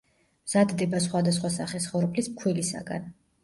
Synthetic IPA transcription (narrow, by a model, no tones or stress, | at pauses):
mz̥ad̪d̪ɛbas̬χwad̪asχwasaχɛsχɔɾpʼlismkʰwilisa̰ɡa̰n